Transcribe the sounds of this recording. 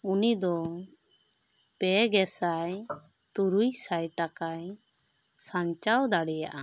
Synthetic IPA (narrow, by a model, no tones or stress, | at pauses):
unid̪ɔ | pɛɡɛsaj | t̪uɾujsajʈakaj | saɲt͡ʃawd̪aɽɛjaʔa